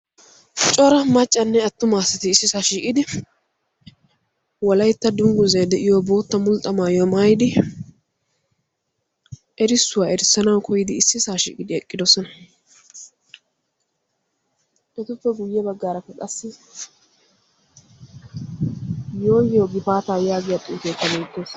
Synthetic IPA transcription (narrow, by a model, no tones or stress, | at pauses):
t͡ʃʼɔɾɐmɐt͡ʃʼːɐnːɛɐt̪ːʊmaːsɪt̪ɪːsːɪsaːʃiːkʼɪd̪ɪ | wɔlɐjt̪ːɐd̪ʊŋɡʊzɛjd̪ɛʔɪjɔbo̞ːt̪ːɐmʊlt̪ʼːɐmaːjomaːjɪd̪ɪ | ʔɛɾɪsːʊwaːɛɾɪsːɐnɐwkʰɔjɪd̪ɪːsːɪsaːʃḭːkʼɪd̪ɪɛkʼːɪd̪ɔsɔnɐ | ʔɛt̪ʊpːɛɡʊjːɛbɐɡːaːɾɐfːɛkʼɐsːɪ | jo̞ːjɪjoɡɪfaːt̪aːjaːɡɪjɐt̪ʼːʊːk̪eːk̪ːɐbeːɡːos